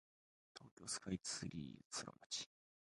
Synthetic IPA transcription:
t̪ʰo̞ːkʲo̞ːsɨ̥kait͡sɨ̥ɨɾʲiːt͡sɨɾo̰mat͡ɕi̥

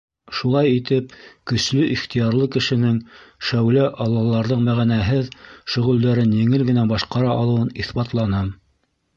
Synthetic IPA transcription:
ʃulˠɑjit̪ɘpkɵ̆slɵʔiχt̪ijɑɾlˠɤkɘ̆ʃɘ̆nɘŋʃæwlæʔɑlˠːɑlˠɑɾðɤɴmæʁænæɦɘðʃɵ̆ʁɵ̆ld̪æɾɘnjɘ̆ŋɘlɡɘ̆næbɑʃqɑɾɑʔɑlˠɤ̆wɤniθbɑt̪lˠɑnɤm

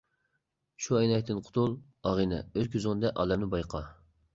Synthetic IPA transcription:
ʃuɛjnɛjt̪ːɨnqʰʊ̥t̪ʰulˠ | ɑʁinɛ̰ølkʲʰyzɨnd̪ɛʔɑ̰ːlɛmnɪbɑjqʰɑ

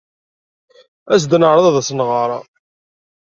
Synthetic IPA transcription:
æsd̪nəʕɾˤɑðˤɑðæsnʁɑɾˤɑ̰

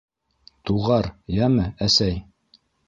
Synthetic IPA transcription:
t̪uʁɑɾjæmɘæsæj

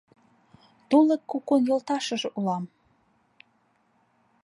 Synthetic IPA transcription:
t̪uləkːukonjŏlt̪ɑʃə̆ʒʔulɑm

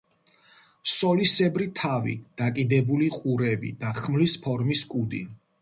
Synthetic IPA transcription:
sɔlisɛbɾit̪ʰavḭd̪̥akʼid̪ɛbuliqʼuɾɛbḭd̪aχmlispʰɔɾmiskʼud̪i

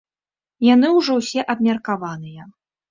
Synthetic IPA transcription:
janɨwʐɔwsʲɛʔɐbmʲɐrkavanɨjɐ

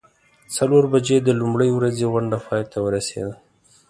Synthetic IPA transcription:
t͡saloɾbad͡ʒed̪əlumɽəjwɾazeɣʊɳɖapʰɑjt̪awəɾasḛd̪a

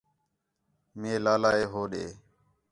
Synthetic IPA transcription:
meːlaːlaːeːɦoːɗḛː

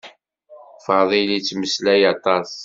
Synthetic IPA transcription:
fɑðˤilit͡sːməslæjɑt̪ˤɑs

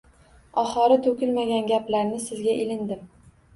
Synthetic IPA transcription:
ɒχɒɾɪt̪ʰɵkʲɪlmaɡʲanɡʲaplaɾnɪsɪzɡʲaʔɪlɪnd̪ɪm

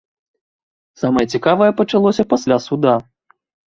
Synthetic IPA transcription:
samɐjɐt͡sʲikavɐjɛpɐt͡ʂalˠɔsʲɐpasʲlʲasud̪a

